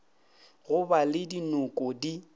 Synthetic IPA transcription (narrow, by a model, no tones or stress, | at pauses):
ɣʊbalɪdinʊkʼɔdi